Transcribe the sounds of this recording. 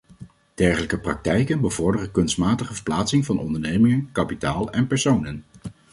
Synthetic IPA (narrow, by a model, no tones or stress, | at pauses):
d̥ɛɹχələkəprɑk̚tɛjkənbəvɔɹdərəkɵnstmaːtəχəvəɹplaːtsɪŋvɑnʔɔ̰ndəɹnejmɪŋənkɑpitaːlˠɛnpɛɹsownən